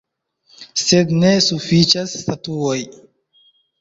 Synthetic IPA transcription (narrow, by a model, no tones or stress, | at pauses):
sed̪nesufit͡ʃasːtatuoj